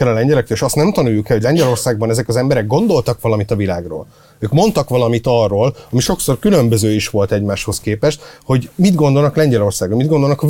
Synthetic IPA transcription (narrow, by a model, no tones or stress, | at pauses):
ɛlɒlɛɲɟɛlɛkrɛeːʃɒstnɛmt̪ɒnujːukɛloɟʲlɛɲɟɛlo̞rsaːɡbɒnɛzɛkɒzɛmbɛɾɛɡ̚ɡo̞nd̪o̞lt̪ɒkʋɒlɒmit̪ɒvilaːɡro̰ːl | øːkmo̞nt̪ɒkʋɒlɒmit̪ɒrːoːlɒmiʃo̞kso̞rkylø̞mbøzøːiʃʋo̞lt̪ɛɟmaːʃho̞skeːpɛʃt̪ho̞ɟmid̪ɡo̞nd̪olnɒklɛɲɟɛlo̞rsaːɡbɒmid̪ɡond̪o̞lnɒkɒ